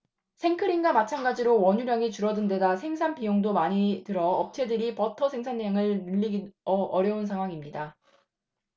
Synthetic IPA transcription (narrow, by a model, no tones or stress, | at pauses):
sʰe̞ŋkʰɯɾiŋɡamat͡ɕʰanɡad͡ʑiɾowʌɲuɾjaŋit͡ɕuɾʌdɯnde̞dasʰe̞ŋsʰanpijoŋdomaɲitɯɾʌːp̚t͡ɕʰe̞dɯɾipʌtʰʌsʰe̞ŋsʰaneŋɯɭnɯʎːiɡʌʔʌɾjʌunsʰaŋɦwaŋimɲida